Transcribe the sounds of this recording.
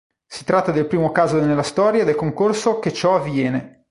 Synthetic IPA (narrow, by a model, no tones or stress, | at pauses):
si̥t̪ɾat̪ːad̪elpɾiːmokaːzonelːast̪ɔːɾjad̪elkoŋkorsok̟et͡ʃːɔavːjɛːne